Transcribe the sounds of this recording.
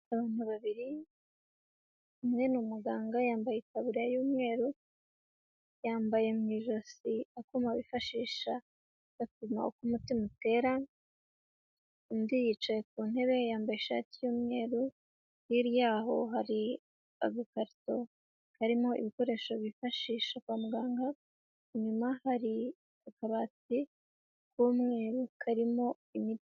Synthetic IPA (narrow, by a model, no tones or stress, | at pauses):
aβaːn̥huβaβiɾi | umŋe̞numuɡaːŋɡajaːmbajetaβuɾiajuːmŋe̞ːɾu | jaːmbaje̞mŋiːʒo̞siakumaβifaʃiːʃa | ɡatuma̰okumutimute̞ɾa | mdijit͡ʃaek̚uːn̥e̞βe̞jaːmbajeʃa̰tijuːmŋe̞ːɾu | jiɾijaːɦo̞ɦaɾi | a̰ɡukaɾto̞ | kaɾimo̞ʔḭβiko̞ɾe̞ʃoβifaʃiːʃakwaːmuɡaːŋɡa | ɲumahaɾi | akaβat͡si | kuːmŋe̞ːɾukʰaɾimo̞ | imi